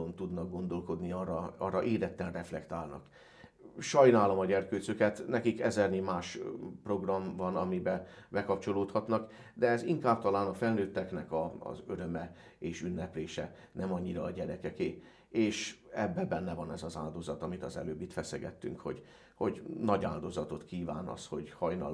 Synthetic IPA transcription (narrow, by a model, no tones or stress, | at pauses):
ont̪ud̪nɒɡ̚ɡo̞nd̪o̞lko̞d̪niɒrɒɒrːɒʔeːɾɛt̪ːɛnrɛflɛkt̪aːlnɒ̰k | ʃɒjnaːlomɒɟɛrkøːsøkɛt̪nɛkikɛzɛrnimaːʃpro̞ɡrɒɱvɒnɒmibɛbɛkɒp̚t͡ʃo̞loːt̪hɒt̪nɒk | d̪ɛɛziŋkaːpt̪ɒlaːnɒfɛlnøːt̪ːɛknɛkɒ̰ːzøɾømɛeːʃynːɛpleːʃɛnɛmɒɲːiɾɒːɟɛɾɛkɛkeː | eːʃɛbːɛbːɛnːɛvɒnɛzɒzaːld̪o̞zɒt̪ɒmit̪ɒzɛ̰løːbːit̪fɛsɛɡɛ̰t̪ːy̰ŋkho̰ɟ | ho̞ɟnɒɟa̰ːld̪o̞zɒt̪o̞t̪kiːva̰ːnɒ̰sho̞ɟhɒjnɒ̰